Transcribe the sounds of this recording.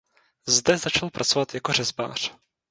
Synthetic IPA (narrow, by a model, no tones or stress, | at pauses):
zd̪ɛzat͡ʃalpɾʔat͡sɔvad̪jakɔrɛzba̰ːr̝̥